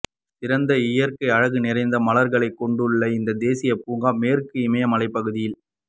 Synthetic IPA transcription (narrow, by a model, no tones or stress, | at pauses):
tɪɾɐnd̪ɐɪjɐɾkɐɪɐɻɐɣɯnɪɾɐɪnd̪ɐmɐlɐɾɣɐɭɐɪkːɔɳɖɯɭːɐɪɪnd̪ɐd̪eːsɪjɐpuːŋɡaːmeːɾɯkːɯɪmɐjɐmɐlɐɪpːɐɣɯðɪjɪl